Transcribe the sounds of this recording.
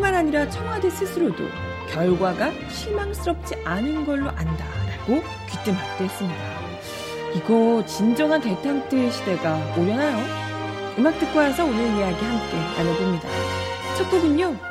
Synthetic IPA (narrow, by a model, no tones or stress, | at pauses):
kɯɭmanɦaɲiɾat͡ɕʰʌŋwadesʰɯsʰɯɾodo̰ | kjʌɭɡwaɡa | ɕʰimamsʰɯɾʌp̚t͡ɕ͈iʔanɯnɡʌɭːoʔandaɾaɡ̥o | kit͈ɯmak̚t͈ees͈ɯmɲida | iɡʌt͡ɕind͡ʑʌŋɦante̞tʰaŋt͈ɯɕʰide̞ɡaoɾjʌnajo | ɯmak̚t͈ɯk̚k͈oasʰʌonɯɭijaɡihamk͈e̞a̰ɲabomɲida̰ | t͡ɕʰʌk͈ʌdɯɲo